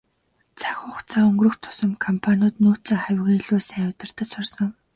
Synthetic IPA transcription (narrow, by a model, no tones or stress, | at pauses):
t͡sʰḁxʲʊχt͡sʰaːɵŋɡrɾɵ̆xt̪ʰʊ̥sɞ̆mkʰɔmpʰanʲʊːt̪nuːt͡saːχæwʲɣeːɮuːsæːwʊwt̪ə̆r̥t̪ə̆t͡ɕsʊrsɞ̆ŋ